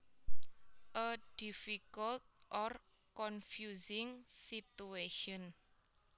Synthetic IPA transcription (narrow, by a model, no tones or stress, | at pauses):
ʔəd̥ifikəlt̪̚ʔɔr | kɔnfjuzɪŋsit̪ueʃɔn